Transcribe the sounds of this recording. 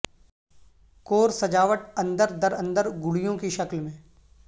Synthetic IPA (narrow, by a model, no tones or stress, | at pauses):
koːɾsɐd͡ʒaːʋəʈɐ̃nd̪əɾd̪ɐɾə̃nd̪əɾɡʊɽijõkiʃɐklmẽː